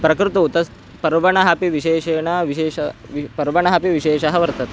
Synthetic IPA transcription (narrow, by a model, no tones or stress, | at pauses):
pɾɐkɾut̪ut̪ɐs | pɐɾʋɐɳɐɦɐpiʋiʃeːʃeɳɐʋiɕeːʃɐʋipɐɾʋɐɳ̃ɐɦɐpiʋiʃeːʃɐɦɐʋɐɾt̪ɐt̪